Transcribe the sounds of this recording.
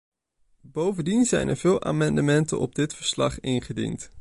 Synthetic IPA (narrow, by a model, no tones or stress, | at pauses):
bowvəndinzɛjnə̰ɹvɪːlˠʔa̰ːmɑndəmɛntə̰nʔɔ̰b̚dɪtfəɹslɑχɪnχədḭnt